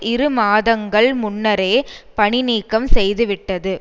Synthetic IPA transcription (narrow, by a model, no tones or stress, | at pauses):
ɪɾɯmaːðɐŋɡɐɭmʊnːɐɾeːpɐɳɪniːkːɐmsɛjðɯʋɪʈːɐðɯ